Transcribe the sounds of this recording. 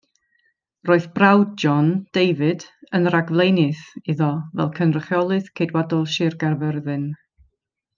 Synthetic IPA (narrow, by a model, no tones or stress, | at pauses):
roːɨθbrawd̚d͡ʒɔnd̥ejvɨdənraɡvlˠejnɨθɪðɔvɛ̰lˠkʰənrəχjɔlˠɨθkʰedwadɔlˠʃɪrɡarvɛrðɨn